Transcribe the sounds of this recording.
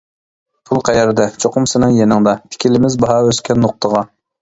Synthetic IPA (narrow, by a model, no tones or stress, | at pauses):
pʰulˠqʰæjɛɾd̪ɛt͡ʃʰoqʊmsɪnɨŋjenɨŋd̪ɑt̪ʰɪ̥kʲʰilɪmɪzbɑɦɑøskʲʰɛnːoq̚t̪ʰəʁɑ